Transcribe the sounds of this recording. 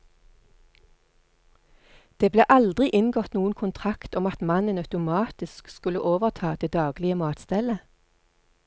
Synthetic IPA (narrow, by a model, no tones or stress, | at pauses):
d̪̥eːbleːʔɑld̪ʁɪʔɪnɡɔt̪nuːən̩kʰʊnt̪ʰʁɑkt̪ɔmɑt̪mɑnənœʉt̪ʊmɑːt̪ɪskskʉlə̰ʔoːʋəʁt̪ʰɑːd̪̥eːd̪ɑːɡlɪəmɑːt̪st̪ɛlə